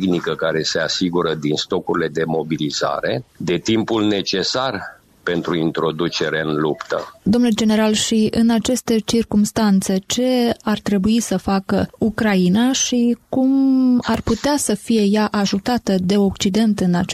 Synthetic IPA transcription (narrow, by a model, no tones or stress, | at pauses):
ɡnikəkaɾe̞se̞asiɡuɾəd̪inst̪o̞kuɾile̞d̪e̞mo̞biliza̰ɾe̞d̪e̞t̪impulne̞t͡ʃe̞sar | pe̞nt̪ɾuint̪ɾo̞d̪ut͡ʃe̞ɾeɨnlupt̪ə̰d̪omnuld͡ʒe̞ne̞ɾalʃiɨnat͡ʃe̞st̪et͡ʃirkumst̪ant̪se̞t͡ʃe̞art̪ɾe̞buisəfakəukɾainaʃikumarput̪easəfije̞jaʔaʒut̪at̪əd̪e̞o̞kt͡ʃid̪e̞nt̪ɨnat͡ʃ